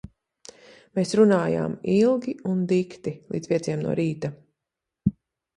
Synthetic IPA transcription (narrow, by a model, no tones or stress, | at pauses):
meːsɾunaːja̰ːmilˠɡʲiund̪ikt̪ilˠḭd̪spiɛt̪siɛmnṵɔɾiːt̪a